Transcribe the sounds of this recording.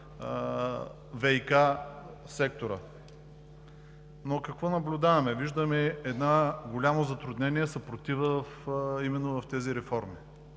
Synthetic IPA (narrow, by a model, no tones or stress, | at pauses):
vɛika | sɛk̚t̪oɾə̰ | nokɐkvɔnɐblʲʊd̪avɐmɛviʒd̪əmɛɛd̪naɡolʲamozɐt̪ɾʊd̪nɛniɛsɐpɾot̪ivəfimɛnːovɐft̪ɛziɾɛfɔɾmi